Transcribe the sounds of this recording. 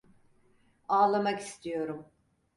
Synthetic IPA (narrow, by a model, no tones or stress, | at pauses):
aːlˠamaki̥st̪ʰijo̞ɾum